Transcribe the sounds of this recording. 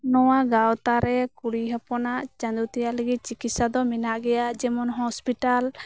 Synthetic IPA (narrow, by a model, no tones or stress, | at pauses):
nɔwaɡawt̪aɾɛkuɽiɦapɔnaʔt͡ʃand̪ut̪ɛjaʔləɡit̪̚t͡ʃikit̪sad̪ɔmɛnaʔɡɛjad͡ʒɛmɔnɦɔspiʈal